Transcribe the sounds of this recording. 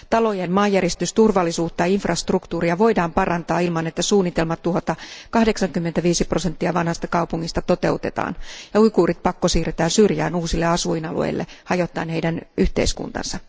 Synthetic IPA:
t̪ɑlo̞jenmɑːjːæɾest̪yst̪urʋɑlːisuːt̪ːɑinfrɑst̪rukt̪uːriɑʋo̞jdɑːmpɑrɑnt̪ɑːilmɑnet̪ːæsuːnːit̪e̞lmɑt̪ːuɦot̪ɑkɑhdeksɑŋkymːet̪æʋiːsipro̞se̞nt̪ːiɑʋɑnhɑst̪ɑkɑupuŋːist̪ɑt̪o̞t̪e̞̰uwt̪e̞t̪ɑ̰ːnjɑujkuːrit̪̚pɑkːosiːret̪æːnsyrjæːnuːsilːeɑsuinɑlṵḛjlːḛhɑjot̪ːˑɑ̰ːnhe̞jdænyht̪e̞̰iskṵnt̪ɑ̰nsɑ

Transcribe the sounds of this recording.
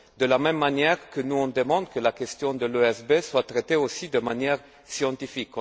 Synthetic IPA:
d̪əlamɛmːanjɛʁkənuɔ̃d̪əmɑ̃d̪kəlakɛst̪jɔ̃d̪əløɛsbeswat̪ʁet̪eosid̪əmanjɛʁ | sjɑ̃t̪ifikɔ̃

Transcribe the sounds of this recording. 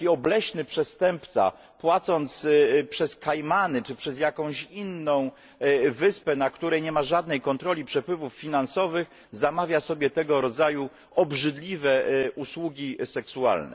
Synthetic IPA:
iɔblɛɕnɘpʂɛst̪ɛmpt̪sa̰ | pwat̪sɔnt̪spʂɛskajmanɘt͡ʂɘpʂɛzjakɔ̃w̃ɕinːɔ̃w̃ | vɘspɛnakt̪uɾɛjɲɛmaʐad̪nɛjkɔnt̪ɾɔlʲipʂɛpwɘvufːʲinansɔvɘɣ | zamavʲjasɔbʲjɛt̪ɛɡɔɾɔd̪zaju | ɔbʐɘd̪lʲivɛʔuswuɡʲisɛksua̰lnɛ̰

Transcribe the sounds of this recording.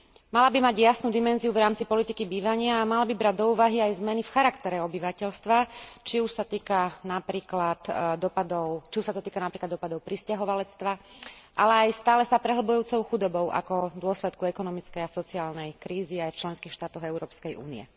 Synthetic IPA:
malabimaɟjasnuːd̪imɛnziuvɾaːmt͡sipɔlit̪ikibiːʋaɲɪaːmalabibɾaɟd̪ɔuːʋaɦiajzmɛnifxaɾakt̪ɛɾɛɔbiʋacɛʎst̪ʋat͡ʃiuʃsat̪iːkanapɾiːklat̪d̪ɔpad̪ɔʊt͡ʃiuʃsat̪ɔt̪iːkanapɾiklad̪ɔpad̪ɔʊpɾiscaɦɔʋalɛt͡st̪ʋaʔa̰lɛajst̪aːlɛsapɾɛɦl̩bɔjuːt͡sɔʊxud̪ɔbɔʊʔa̰kɔd̪ʊɔslɛt̪kuɛkɔnɔmit͡skɛjasɔt͡siaːlnɛjkɾiːziajft͡ʃlɛnskiːxʃt̪aːt̪ɔɣɛʊɾɔːpskɛjṵːnḭɛ̰

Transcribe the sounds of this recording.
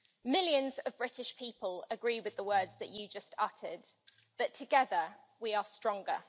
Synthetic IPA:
mɪljə̃nzəvbɹɪtɪʃpʰiˑpələɡɹiːwɪðəwɜːdzðət͡ʃəd͡ʒʌstʰʌtʰə̰d̪̚ | ðətʰəɡɛðə | wiəstɹ̥ɒ̃ŋɡə

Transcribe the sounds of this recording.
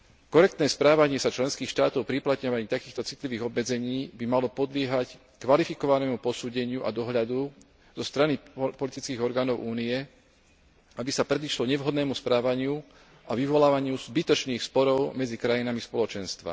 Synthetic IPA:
kɔɾɛk̚t̪nɛːspɾaːʋaɲɪɛsat͡ʃlɛnskiːxʃt̪aːt̪ɔʊpɾiplat̪ɲɔʋaɲiːt̪akiːxt̪ɔt͡sit̪liʋiːɣɔbmɛd͡zɛɲiːbimalɔpɔd̪lɪɛɦac | kʋalifikɔʋanɛːmupɔsuːɟɛɲɪuʔa̰d̪ɔɦʎad̪u | zɔst̪ɾanipɔlit̪it͡skiːɣɔɾɡaːnɔʊʔuːniɛ | abisapɾɛd̪iʃlɔɲɛʋɦɔd̪nɛːmuspɾaːʋaɲɪu | aʋiʋɔlaːʋaɲɪuzbit̪ɔt͡ʃniːxspɔɾɔʊmɛd͡zikɾajinamispɔlɔt͡ʃɛnst̪ʋa̰

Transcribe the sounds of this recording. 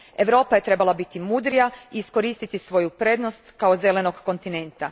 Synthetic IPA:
e̞ʋɾo̞ːpaje̞t̪ɾe̞balabit̪imuːd̪ɾijaiːsko̞ɾiːst̪it̪isʋo̞jupɾe̞d̪no̞st̪kao̞ze̞le̞no̞ɡːo̞nt̪ine̞nt̪a

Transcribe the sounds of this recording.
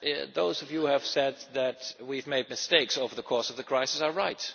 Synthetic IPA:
ðoʊzʌvjuɨv̥sɛd̪̚ðɨtwivmeɪd̚mɨsteɪksoʊvə˞ðəkʰɔɹsʌvðɨkʰɹ̥aɪsɨsə˞ɹaɪt

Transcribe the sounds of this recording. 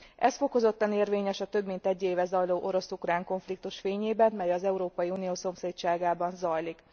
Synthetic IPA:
ɛsfo̞ko̞zo̞t̪ːɒneːrveːɲɛʃɒt̪ø̞bmint̪ɛɟːeːvɛzɒjloːʔo̞ɾo̞sukraːŋko̞ɱflik̚t̪uʃfeːɲeːbɛnmɛjɒzɛuɾoːpɒjiunijoːso̞mseːtt͡ʃaːɡaːbɒnzɒjlik

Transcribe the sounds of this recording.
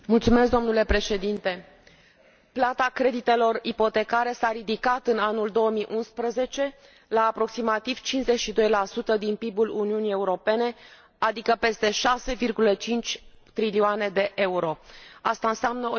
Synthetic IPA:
mult̪sumeskd̪o̞mnule̞pɾe̞ʃe̞d̪int̪e̞ | plat̪akɾe̞d̪it̪e̞lo̞ripo̞t̪e̞kaɾe̞saɾid̪ikat̪ɨnanuld̪o̞əmiʔunspɾəze̞t͡ʃe̞ | laːpɾo̞ksimat̪iv̥t͡ʃinze̞ʃid̪o̞jlasut̪əd̪inpibuluniunije̞uɾo̞pe̞ne̞ | ad̪ikəpe̞st̪e̞ʃase̞virɡulət͡ʃint͡ʃʲ | t̪ɾilioane̞d̪e̞ʔe̞uɾo̞ast̪aɨnseamnəo

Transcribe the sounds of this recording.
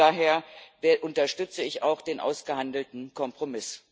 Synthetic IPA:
aːɦeːɐvʔʊntɐʃtʏt͡səɪçaʊxd̥eːnʔa̰ʊsɡ̥əhandl̩tn̩kʰɔmpʁ̥omɪs

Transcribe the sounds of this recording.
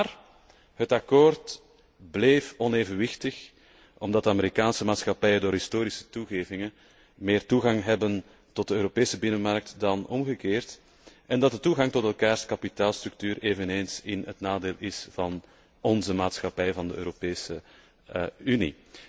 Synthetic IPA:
r | ɦətɑkoːrt | bleːfɔneːvənʋɪxtəx | ʔɔmdɑt̚dəameɾikaːnsəmaːtsxɑpɛjədoːrɾɦɪstoːɾisə̥tuɣeːvɪŋən | meːrtuɣɑŋɦɛbən | tɔt̚dəøːɾopeːsəbɪnənmɑrk̚tdɑnɔmɣəkeːrt | ʔɛndɑt̚dətuɣɑŋtɔtɛlˠkaːrskɑpitaːlˠstɾʏk̚tyːɾeːvəneːnsɪnɦətnaːdeːlˠɪsv̥ɑn | ɔnzəmaːtsxɑpɛjvɑndəø̰ːɾopeːsə | ynḭ

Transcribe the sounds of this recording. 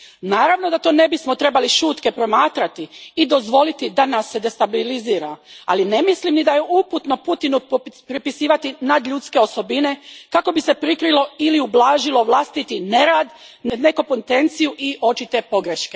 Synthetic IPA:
naːɾaʋno̞d̪at̪o̞ːne̞bismo̞t̪ɾe̞baliʃuːt̪ke̞pɾo̞maːt̪ɾat̪iːd̪o̞zʋo̞lit̪id̪anasːe̞d̪e̞st̪abiliziːɾaaline̞mislimnid̪ajeʔuput̪no̞put̪inupɾipisiːʋat̪inad̪ʎuːt̪ske̞o̞so̞bine̞kako̞bise̞pɾikɾilo̞iliublaːʒilo̞ʋlˠast̪it̪ine̞ɾaːd̪nne̞kupont̪e̞nt̪sijuʔiʔo̞t͡ʃit̪e̞po̞ɡɾeʃke

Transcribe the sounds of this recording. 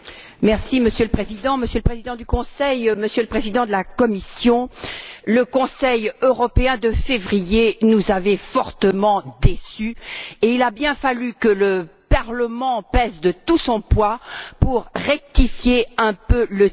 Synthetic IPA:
mɛʁsiməsjøləpχezid̪ɑ̃məsjøləpχezid̪ɑ̃d̪ykɔ̃sɛjməsjøləpχezid̪ɑ̃d̪əlakɔmisjɔ̃ləkɔ̃sɛjøʁɔpeɛ̃d̪əfevʁijenuzavɛfɔʁt̪əmɑ̃d̪esyeilabjɛ̃falykələpaʁləmɑ̃pɛzd̪ət̪usɔ̃pwapuʁʁɛk̚t̪ifjeɛ̃pølə

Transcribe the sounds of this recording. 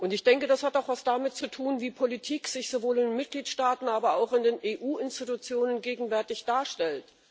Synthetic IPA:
ʔʊntɪçd̥ɛŋkədashataʊxv̥asd̥amɪtt͡sutʰuːnviːpʰolitʰiːkz̥ɪçz̥ovoːlɪndenmɪt̚ɡ̥liːtʃtaːtn̩aːbɐaʊxɪndeːneːʔuːɪnstitut͡sjoːnənɡeːɡŋ̩vɛɐtɪçd̥aːɐʃtɛlt

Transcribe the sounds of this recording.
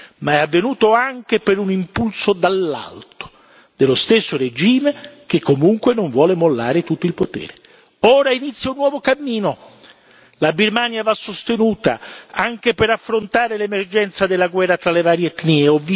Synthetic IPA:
maɛavːenuːt̪oaŋk̟epeɾunimpulsod̪alːa̰lt̪o̥ | d̪̥elost̪esːored͡ʒiːmek̟ekːomuŋkwenoɱvwɔːlemolːaːɾet̪ut̪ːoilpot̪ɛ̰ːɾe | ɔːɾainit̪sjaunːwɔːvokamːiːno | labirmaːnjavasːost̪enuːt̪a̰aŋk̟epeɾafːɾont̪aːɾelemerd͡ʒɛnt̪sad̪elːaɡwɛrːat̪ɾalevaːɾjeet̪nieɔvːi

